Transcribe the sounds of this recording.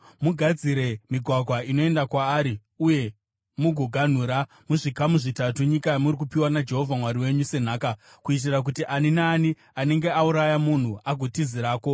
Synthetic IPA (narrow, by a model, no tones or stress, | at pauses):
muɡʱad͡ziɾe̞miɡʱwaɡʱwaino̞e̞ndakwaːɾi | uje̞ | muɡʱoɡʱan̤uːɾa | muʐikamuʐitatuɲikajamuɾik̬upiwanad͡ʒe̞ɦo̞vʱamwaɾiwe̞ɲuse̞n̤aːka | kuit̬irak̬utiʔaninaːni | ane̞ŋɡe̞auɾajamun̤uaɡʱotiziɾaːko̞